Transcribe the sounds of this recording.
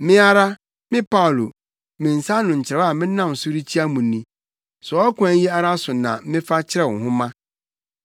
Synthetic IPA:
mɪ̃˦a˦ɾa˦ | mɪ̃˦pʰa˦ʊ˨lo˨ | mɪ̃˨n̩˨sa˦nʊ̃˨ɲ̩˨t͡ɕʰɪ˨ɾa˨˦a˨mɪ̃˦nã˦˨m˨sʊ˦ɾi˦t͡ɕʰi˦a˦mũ˨nĩ˨ | sɔ˨ɔ˦kʷʰã˦ji˦a˦ɾa˦sʊ˨nã̰˨˦mɪ̃˦fa˦t͡ɕʰɪ˦ɾɛ˦˨wɔ˨ɦʊ̃˦mã˦

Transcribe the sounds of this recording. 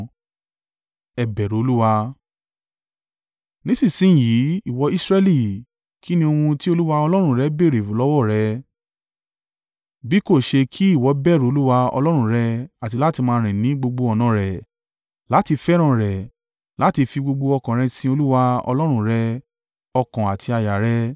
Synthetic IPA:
ɛ˨bɛ˨ɾo˨˦o˧lu˦wa˧ | nĩ˨˦sĩ˦˨sĩ˨˦˨jiː˨˦i˦˨wɔ˧˦i˦sɾɛ˦li˦˨ | kʰi˦nĩ˧o˧hũ˧ti˦o˧lu˦wa˧ɔ˧lɔ˦ɾ̃ũ˧˦˨ɾɛ˨˦be˦˨ɾe˨vo˨˦lɔ˦wɔ˦˨ɾɛ˨˧ | bi˨˦ko˦˨ʃe˧kʰi˦i˦˨wɔ˨˦bɛ˦˨ɾo˨o˧lu˦wa˧ɔ̰˧lɔ˦ɾ̃ũ˧˦ɾɛ˧a˨ti˧la˦ti˧mãː˧ɾ̃ĩ˨nĩ˨˦ɡ͡bo˧ɡ͡bo˧ɔ˧˨nã˨˦ɾɛ˨ | la˨˦ti˧fɛ˦ɾ̃ã˦˨ɾɛ˨ | la˨˦ti˧fi˧ɡ͡bo˧ɡ͡bo˧ɔ˧kã˨ɾ̃ɛ̃˧sĩ˧o˧lu˦wa˧ɔ̰˧lɔ˦ɾ̃ũ˧˨ɾɛ˧ | ɔ˧kã˨a˨tʰi˧a˧ja˨ɾɛ˧

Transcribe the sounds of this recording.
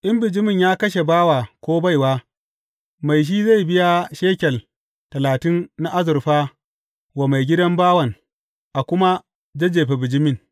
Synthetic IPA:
ʔɪ˦mbɪ˨d͡ʒɪ˦mɪ˦˨ɲjaː˦kɐ˦ʃ̬e˨baː˦waː˨kʷoː˦ba˦˨jwaː˦ | ma˨jʃ̬iː˦za˦˨jbɪ˦ja˦ʃeː˦kʲɛ˨l | tɐ˨laː˨tɪ˦nna˦ʔa˦zʊ˨ɾɸaː˦ | wa˨ma˨jɡʲɪ˦dɐ˦mbaː˦wɐ˨ŋ | ʔa˨kʷʊ˦ma˦ | d͡ʒɐ˦d͡ʒeː˨ɸe˨bɪ˨d͡ʒɪ˦mɪ˦˨ŋ

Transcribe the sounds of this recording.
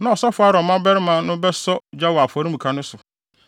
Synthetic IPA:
nã˦ɔ˨sɔ˦fʊ˦a˦ɾɔ˨mã˦bɛ˦ɾɪ˦mã˦nʊ̃˦bɛ˦sɔ˦d͡ʑa˦wɔ˨a˨fɔ˨ɾi˦mũ˨kʰa˨nʊ̃˦sʊ˨

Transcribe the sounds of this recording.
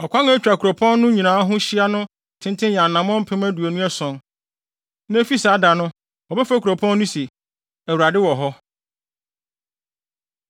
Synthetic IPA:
ɔ˨kʷʰã˦ŋa˦t͡ɕᶣɾa˨kʰu˨ɾo˨pʰɔ̃˦nː˦ʊ̃˦ɲĩ˨nãː˨˦ɦʊ̃˦ɕi˦a˦nʊ̃˦ | tʰɪ̃˦ntʰɪ̃˦jã˨nã˨mɔ̃˦m̩˦pʰɪ̃˦mæ˦du˨o˨nũ˦ɛ˦sɔ̃˨n | ñ˦fi˦saː˨˦da˨nʊ̃˦ | ɔ˨bɛ˦fa˦kʰɾo˨pʰɔ̃˦nː˦ʊ̃˦se˨ | æ˨wu˨ɾa˨dɪ˦wɔ˨ɦɔ˦

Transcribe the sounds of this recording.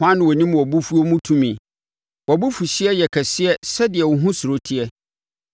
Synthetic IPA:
ã˦nʊ̃˨wɔ˨nĩ˦m˨wɔ˨bu˦fu˦o˦mũ˦tʰũ˦mĩ˨ | wɔ˨bu˦fu˨ɕɪ˦ɛ˦jɛ˨kʰɛ˨sɪ˦ɛ˦sɛ˦dɪ˨ɛ˨wɔ˨ɦũ˦sʊ˨ɾo˦tʰi˦ɛ˦

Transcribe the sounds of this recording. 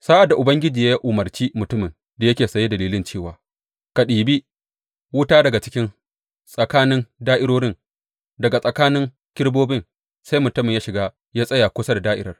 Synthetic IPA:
saː˦ʔa˨dːa˨ʔʊ˨bɐ˦ŋɡʲɪ˦d͡ʒiː˨ja˦ji˦ʔʊ˨mɐ˨rt͡ʃiː˦mʊ˨tʊ˦mɪ˨n | da˨jɐ˦kʲeː˨sɐ˨je˦dɐ˨liː˦lɪ˦nt͡ʃeː˦˨waː˨ | ka˨ɗiː˨biː˦ | wʊ˦taː˦dɐ˨ɡa˨t͡ʃɪ˦kʲɪ˦n | sʼɐ˨kaː˦nɪ˦ndaː˦ʔɪ˦ɽoː˦ɽɪ˦n | dɐ˨ɡa˨sʼɐ˨kaː˦nɪ˦ŋ | kʲɪ˦ɽboː˦bɪ˦n | sa˦jmʊ˨tʊ˦mɪ˨jaː˦ʃɪ˨ɡaː˦ | jaː˦sʼɐ˦jaː˨kʷʊ˦sɐ˦da˨daː˦ʔɪ̰˦ɾɐ˦r

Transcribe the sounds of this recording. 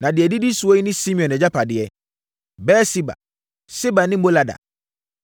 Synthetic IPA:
nã˨dɪ˨ɛ˨di˦di˦su˨o˦ji˦nɪ̃˦si˦mĩ˨ɔ̃˨nɛ˨d͡ʑa˦pʰa˨dɪ˨˦ɛ˦ | bɛː˦si˦ba̰˨ | si˦ba˨nɪ̃˦mo˦la˨da̰˨

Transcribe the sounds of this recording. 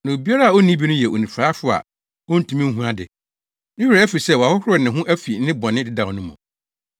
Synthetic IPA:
nã˨o˨bi˦a˦ɾa˦a˨o˦nĩ˦bi˦nʊ̃˦jɛ˨ʔo̰˨nĩ˨faː˨˦fʊ˦a̰˨ | wɔ˦n̩˦tʰũ˦mĩ˦ŋ̩˦ɦũ˦a˦dɪ̰˨ | nɪ̃˦hɾɛ˨æ˦fi˨sɛ˦wa˨hʊ˦hʊ˦ɪ˨nɪ̃˨ɦʊ̃˦ʔæ˦fi˨˦nɪ̃˦bɔ˨nɪ̃˦dɪ˦dã˨nʊ̃˦mɔ̰̃˨

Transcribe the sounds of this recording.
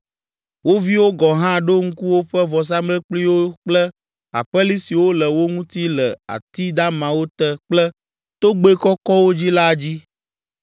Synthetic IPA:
wo˦vi˦wo˦ɡɔ˨ɦã˦ɖo˦ŋ̩˦ku˦wo˦ɸɛ˦vɔ˨s̬a˦mlɛ˦k͡pli˦wo˦k͡plɛ˦ | a̰˨ɸɛ˦li˦si˨wo˦lə˨wo˦ŋũ˦t̪i˦lə˨a̰˨t̪i˦d̪a˦mã˨wo˦t̪ɛ˦k͡plɛ˦ | t̪o˦ɡ͡be˦kɔ˦kɔ˦wo˦d͡ʑi˦la˦˨d͡ʑi˦

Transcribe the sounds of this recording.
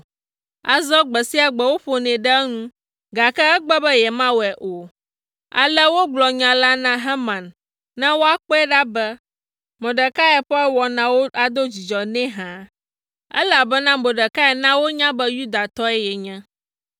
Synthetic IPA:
a˨zɔ˦ɡ͡bɛ˨si˦a˨ɡ͡bɛ˦wo˦ɸo˨nɛ̃˨ɖɛ˦ŋũ˦ | ɡa˨kɛ˦ɛ˦ɡ͡bɛ˦bɛ˦jɛ˨mã˦wɛ˨ʔo˨ | a̰˨lɛ˦wo˦ɡ͡blɔ˨ɲã˨la˦nã˦ɦɛ˦mã˨nː | ɛ̃˦wo˦a˦k͡pɔ˦ɛ˦ɖa˦bɛ˦ | mõ˨ɖɛ˨ka˦ɛ˨ɸɔ˦ɛ˦wɔ˨nã˨wo˦a˨d̪o˦d͡ʑi˨d͡ʒɔ˨nɛ̃˦ɦã˨ | ɛ̰˦la˨bɛ˦nã˦mõ˨ɖə˨ka˦ɛ˨nã˦wo˦ɲã˦bɛ˦ju˦d̪a˨t̪ɔ˦ɛ˦jɛ˨ɲɛ̃˦

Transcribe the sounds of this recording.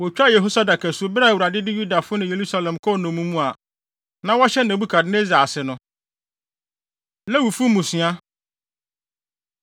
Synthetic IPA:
wɔ˨t͡ɕᶣa˦jɛ˨ɦo˦sa˦da˨kʰæ˨sʊ˦o˨˦bɪ˦ɾa˦˨wu˨ɾa˨dɪ˦dɪ˦ju˦da˨fʊ˦nʊ̃˨je˨ɾu˦sa˦lɛ̃˨mkʰɔ˦˨nʊ̃˨mũ˦mũ˦a˨ | nã˦wɔ˦ɕɛ˦nã˨bu˦kʰa˨dɪ˦ne˦za˨sɪ˨nʊ̃˨ | lɛ̃˦wu˨fu˦mũ˨sĩ˨a˦

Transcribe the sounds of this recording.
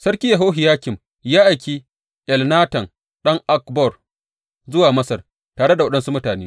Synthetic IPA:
sɐ˦ɽkʲiː˦jɐ˨ɦoː˦ɦɪ˨jaː˦kʲɪ˨m | jaː˦ʔa˨kʲiː˦ | ʔɛ˨lnaː˦tɐ˨ŋ | ɗɐ˦ŋʔa˦kbɔ˦˨r | zʊ˦waː˨mɐ˦sɐ˨r | taː˨ɽe˦da˨wɐ˦ɗɐ˦nsu˦mʊ˦taː˨neː˦

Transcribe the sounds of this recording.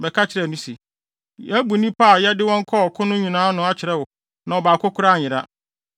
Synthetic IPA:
bɛ˨kʰa˦t͡ɕʰɪ˨ɾɛ˨nũ˦si˨ | æ˦bu˨nĩ˦pʰa˦˨jɛ˦dɪ˦wɔ̃˦ŋ̩˦kʰɔ˦ɔ˨kʰʊ̃˦nʊ̃˦ɲĩ˨nãː˦nʊ̃˦a˦˨t͡ɕʰɪ˨ɾɛ˦wʊ˨ | nã˨ɔ˨baː˨kʰʊ˦kʰʊ˦ɾa˦˨ɪ˨ɾa˦

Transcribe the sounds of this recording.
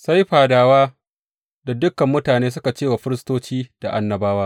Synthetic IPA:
sa˦jɸaː˨daː˨waː˦ | da˨dʊ˦kːɐ˨mːʊ˦taː˨neː˦s̬ʊ˦ka˨t͡ʃeː˦˨wa˨ɸɪ˦ɾɪ˦stoː˦t͡ʃiː˦d̥a˨ʔa˦nːɐ˨baː˦waː˦

